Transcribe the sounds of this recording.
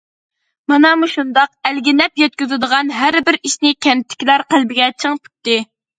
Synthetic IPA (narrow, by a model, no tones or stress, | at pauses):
mɑnɑmuʃund̪ɑq̚ælɡʲinɛpjɛt̪̚kʲyzɪd̪əʁɑnɦæɾbɪɾiʃnɪkʲʰɛnt̪ʰːɪ̥kʲilæɾqəlˠbɪɡʲɛt͡ʃʰəŋpʰy̥p̚t̪ːɨ